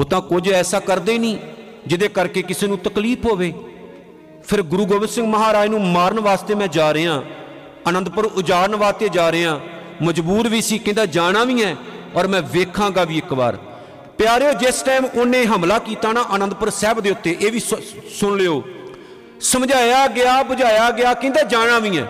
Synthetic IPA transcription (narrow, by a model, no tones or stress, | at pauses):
ʊt̪ãːkʊd͡ʒɛːsaːkəɾd̪eːnĩː | d͡ʒɪd̪eːkəɾkeːkɪseːnũːt̪əkliːpʰɦoːʋeː | pʰɪɾɡʊɾuːɡoːʋɪnsɪ̃ŋɡməɦaːɾaːiːnũːmaːɾəɳʋaːst̪eːmɛ̃ːd͡ʒaːɾeːãː | ənə̃nd̪̚pəɾʊd͡ʒaːɾənʋaːst̪eːd͡ʒaːɾeːãː | məd͡ʒbuːɾʋiːsiːkɪ̃nd̪aːd͡ʒaːɽãːʋĩːɛːɔːɾmɛ̃ːʋeːkʰãːɡaːʋiːɪkba̰ːɾ | pjaːɾeːoːd͡ʒɪsʈɛːmʊnːẽːɦəmlaːkiːt̪aːnaːʔənə̃nd̪̚pəɾsɛːbd̪eːʊt̪ːeːʔeːʋiːsʊɳleːoː | səmd͡ʒaːjaːɡɪaːbəd͡ʒaːjaːɡɪaːkɪ̃nd̪aːd͡ʒaːɽ̃ãːʋĩːɛ̰ː